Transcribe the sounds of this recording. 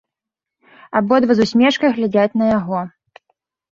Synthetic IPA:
abɔd̪vɐzusʲmʲɛʂkɐjɣlʲad͡zʲat͡sʲnɐjaɣɔ

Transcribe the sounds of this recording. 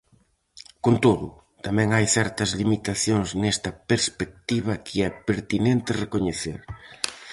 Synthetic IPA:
kont̪oðʊ̰ | t̪amɛ̃ŋajθɛɾt̪ɐzlimit̪aθjoŋznest̪ɐpeɾspek̚t̪iβ̞ɐkʰɪɛpeɾt̪inẽnt̪ɪrekoɲeθḛɾ

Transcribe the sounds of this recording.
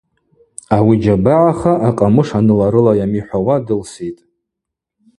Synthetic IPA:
awid͡ʒabaʕaχaʔaqʼamɨʂanɨlaɾɨlajamiħʷawadɨlsitʼ

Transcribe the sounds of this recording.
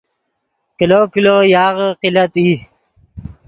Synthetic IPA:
kilokilojaːɣqilɐt̪i

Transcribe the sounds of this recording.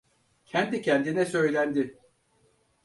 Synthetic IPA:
cʰɛnd̪icʰɛnd̪inɛsø̞jlʲænd̪ɪ

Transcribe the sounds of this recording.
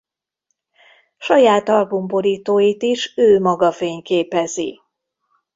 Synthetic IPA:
ʃɒjaːt̪ɒlɡomboɾiːt̪oːjit̪iʃøːmɒɡɒfeːɲkeːpɛzi

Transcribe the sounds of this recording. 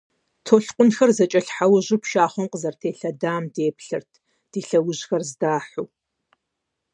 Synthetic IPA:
tʰoːɬqʷʼʊnxɐrzɐt͡ʃʼɐɬħawʊʑɪpʰʃaːχʷɔmqʼəzɐrtʰeːɬɐdaːmdeːpɬɨ̰rtʰ | d̥iːɬɐwʊʑxɐrzdaːħuː

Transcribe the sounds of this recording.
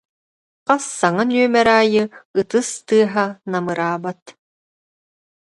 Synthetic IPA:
qasːaŋanyœmɛɾaːjɯɯt̪ɯst̪ɯːɦanamɯɾaːbat̪

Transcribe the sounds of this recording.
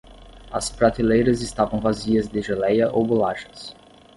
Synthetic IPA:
ɐ̰spɾat̪ilejɾɐzɪst̪avɐ̃w̃vaziɐzd̪eʒelɛjɐʔowbolaʃɐ̥s

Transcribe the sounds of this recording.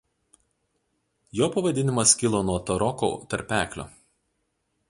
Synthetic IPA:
joːpɐʋɐd̪ʲɪnʲɪmɐskʲɪlˠoːnuɔt̪ɐɾɔko̰ːt̪ɐɾʲpʲæːklʲo̰ː

